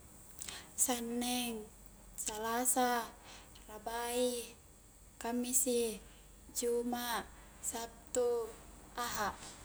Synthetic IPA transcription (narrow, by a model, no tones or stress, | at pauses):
sanːɛŋ | salasa | rabai | kamːisi | d͡ʒumaʔ | sap̚t̪u | aɦaʔ